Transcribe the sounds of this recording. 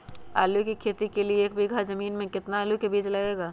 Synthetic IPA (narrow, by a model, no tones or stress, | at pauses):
a̰ːlukikʰeːt̪ikelieeːk̚bʱiɡʱazɐmiːnmẽkɪt̪naːlukebiːd͡ʒlɐɡeːɡaː